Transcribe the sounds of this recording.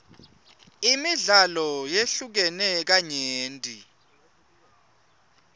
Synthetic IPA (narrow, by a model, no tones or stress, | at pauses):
imiɮalɔjeɬuk̬ɛnɛk̬aɲeːntʼi